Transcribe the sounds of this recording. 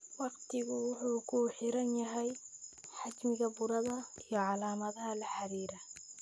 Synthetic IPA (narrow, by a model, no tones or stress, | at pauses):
wɑqt̪ɪɣʊwʊħuːkʰuħɪɾɐnjɐɦɛjħad͡ʒmɪɣɐbʊɾɐðɐijɔʕɑlaːmɐðɐɦɐlɐħaɾiːɾɐ